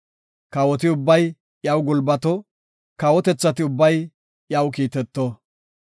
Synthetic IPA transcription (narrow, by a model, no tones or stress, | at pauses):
kɐwɔt̪ɪʊbːɐj | jɐwɡʊlbɐt̪ɔ | kɐwɔt̪ɛt͡sːɐt̪ɪʊbːɐj | jɐwkiːt̪ɛt̪ːo